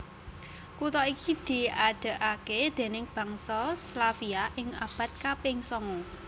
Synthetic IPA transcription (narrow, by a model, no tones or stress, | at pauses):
kut̪ɔikid̪̥i̤aɖ̥ə̤ʔaked̪̥e̤nɪŋb̥ä̤ŋsɔslafiaʔɪŋab̥a̤t̪̚kapɪŋsɔŋu